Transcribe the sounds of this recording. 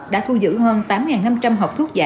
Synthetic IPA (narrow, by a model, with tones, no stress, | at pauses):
ɗa̰ː˧˥t̪ʰu˧zɨ̰˧˥həː˧nt̪aː˨˦mŋaː˨˩nːa˧mt͡ɕa˧mɦa˨˩wk͡p̚t̪ʰu˦˥k̚za̰ː˧